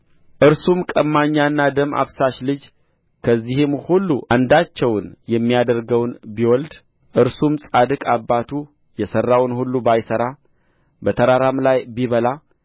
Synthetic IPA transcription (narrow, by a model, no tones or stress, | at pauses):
ʔɨɾsumkʼəmːaɲːanːad̪əma̰βsaʃlɨd͡ʒ | kʰəzːihɨmhulːuʔand̪at͡ʃːɛwnjɛmːijad̪əɾɡəwnbiwɔld̪ | ʔɨɾsumsʼad̪ɨkʼabːat̪ʰu | jɛsərːawnhulːubajsəɾa | bət̪ʰəɾaɾamlajbiβəla